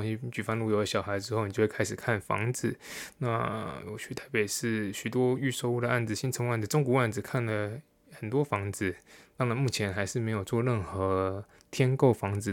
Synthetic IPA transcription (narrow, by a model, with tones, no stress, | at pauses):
ɕi˥t͡ɕy˨˩fɑ˥ŋnlu˥˩jo˧˥ʊə˧˩ɕjɑ˨˩ʊxa˧˥ɪʈ͡ʂɻ̩˥xo˥ʊni˨t͡ɕo˥˧wkʰa˥ɪʂɻ̩˨˩kʰa˥˩nfɑ̰˧˥ŋd͡zɹ̩˨˩˦na˥˩jo̰˧˩ʊt͡ɕʰy˥˩t̪ʰa˧˥ɪpe˨˩ɪʂɻ̩˥˩ɕy˨˩t̪wɔ˥y˥˩ʂo˥˧ʊu˥d̪ə˩ʔa˥˩nd͡z̩˩ɕi˥nt͡sʰə˧˥ŋwa˥˩nd͡z̩˨˩ʈ͡ʂʊ˥ŋku˧˥a˥˩nd͡zɹ̩˨˩kʰa˥˩nlə˩ | xə˨˩nt̪wɔ˥fɑ˧˥ŋd͡zɹ̩˨˩t̪ɑ˥ŋɻa˧˥nmu˥˩t͡ɕʰjɛ˧˥nxa˧˥ɪʂɻ̩˥˩me˧˥ɪjo˨˩ʊt͡swɔ˥˧ɻə˥˩nxɤ˧˥ | t̪ʰjɛ˥nko˥˩ʊfɑ˧˥ŋd͡zɹ̩˨˩